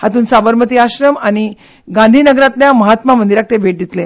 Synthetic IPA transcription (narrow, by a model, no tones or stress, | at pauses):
hat̪uːnsabəɾmət̪iaɕɾəmaɽ̃i | ɡãnd̪ʱiːnəɡɾat̪ljaməɦat̪mamənd̪iɾak̚t̪ebʱeʈ̚d̪it̪le